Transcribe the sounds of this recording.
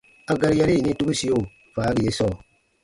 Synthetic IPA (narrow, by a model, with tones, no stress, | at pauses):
a˨˦ɡa˦ɾi˦ja˦ɾi˦i˨nĩ˦tu˦ɡu˦si˦jo˦˨ | fa˨˦ɾi˨je˦sɔ˦˨